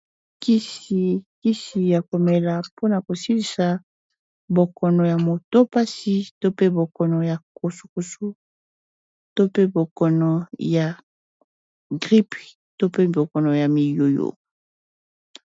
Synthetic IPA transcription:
ki˦si˨ki˦si˨ja˨ko˨me˨la˨po˦na˨ko˨si˦li˨sa˨ | bo˨kɔ˨nɔ˨ja˨mo˨to˦pa˦si˦to˦pe˦bo˨kɔ˨nɔ˨ja˨ko˨su̥˨ku˨su˦ | to˦pe˦bo˨kɔ˨nɔ˨ja˨ | ɡʁi˦p | to˦pe˦bo˨kɔ˨nɔ˨ja˨mi˨jo˨jo̰˨

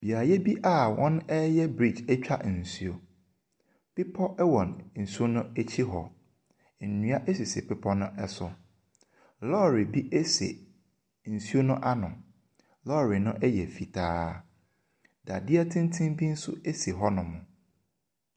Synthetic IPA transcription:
b̥i˨a˨jɛ˦bi˦ʔa˦wɔ̃˦nɛ˦jɛ˦bɾi˦˨t͡ʃɛ˦t͡ɕᶣa̰˦˨n̩˨su˦o˨ | pi˦pʰɔ˦ʔɛ˦wɔ̃˨nn̩˨su˦o˦nʊ̃˦e˦t͡ɕʰi˦ɦɔ̰˨ | n̩˨nũ˦a˦ʔe˦si˨sḛ˨pʰɪ˦pʰɔ˦nʊ̃˦ʔɛ˦sʊ˨ | lɔː˦˨ɾi˨bi˦ʔe˦sḛ˨ | n̩˨su˦o˦nʊ̃˦ʔa˦nʊ̃˨ | lɔ˦˨ɾi˨nʊ̃˦ʔɛ˦jɛ˨fi˨tʰaː˦ | da˨dɪ˦ɛ˦tʰɪ̃˦n˦tʰɪ̃˦mbi˦n̩˦sʊ̰˦e˦se˨ɦɔ˦nʊ̃˨mʊ̃˨

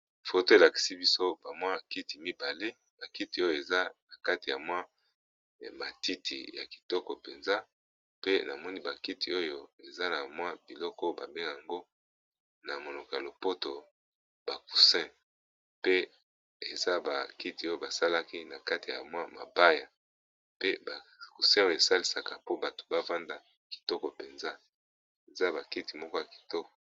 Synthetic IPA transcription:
fo˨to˦e˨la˨ki̥˨si˦bi˦so˦ba˨mwa˦˨ki˦ti˨mi˦ba˨le˦ | ba˨ki˦ti˨o˦jo˨e˨za˦na˨ka˦ti˨ja˨mwa˦ | ma˨ti˦tʰḭ˨ja̰˨ki̥˨tɔ˦kɔ˨pe˨nza˦ | pe˦na˨mɔ˦ni˦ba˨ki˦ti˨o˦jo˦e˨za˦na˨mwa˦bi˨lɔ˦kɔ˦ba˨be˦ŋɡa˨a˨ŋɡo˦ | na˨mo˨no˨kɔ˨a˨lo˨po˦to˨ | ba˨ku̥˨sɛ̃˦ | pe˦ | e˨za˦ba˨ki˦ti˨o˦jo˦ba˨sa˦la˦ki˦na˨ka˦ti˨ja̰˨mwa˦ma̰˨ba˦ja˨ | pe˦ba˨ku˨sɛ̃˦o˦je˨sa˦li˦sa˨ka˨po˦ba˨to̥˨ba˦va˦nda˨ | ki̥˨tɔ˦kɔ˨pe˨nza˦ | e˨za˦ba˨ki˦ti̥˨mɔ˦kɔ˦ja˨ki̥˨tɔ˦kɔ̥˨

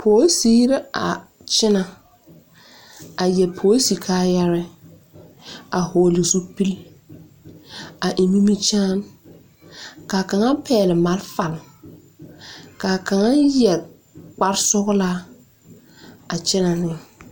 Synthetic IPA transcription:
pʰoː˨˦siː˦ɾɪ˦a̰˨ | t͡ʃɪ˦na˨ | a˨jɛ˨pʰoː˨˦si˨kʰaː˦jɛ˦ɾɪ˦ | a˨hoː˨lɪ˨su˦pi˦l | a˨ʔi˨mi˦mi˦t͡ʃaː˦m | ka˨ka˨ŋa˦pʰɛː˦˨lɪ˨ma˨lfa˨l | ka˨ka˨ŋa˦jɛ˨ | k͡pa˦ɾsʊ˦ɣla˦ | a˨t͡ʃɪ˦na˨nɪ˦

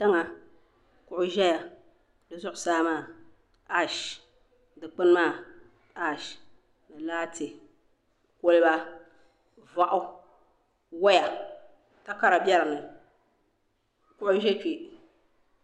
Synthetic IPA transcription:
ta˦ŋa˨ | kʊ˨ʔʊ˦ʒɛ˦ja˨ | dɨ˨zʊ˦ʔʊ˨saː˦maː˦˨ | a˦ʃ | dɨ˨k͡pɨ˦n˦maː˦˨ | a˦˨ʃ | dɨ˨laː˦tɪ˨ | ko˦lɪ˦ba˦ | va˦ʔʊ˦ | wɔ˦ja˨ | ta˦ka˦ɾa˨bjɛ˦ɾɨ˨nɨ˨ | kʊ˦ʔʊ˦ʒɛ˦t͡ʃi˨

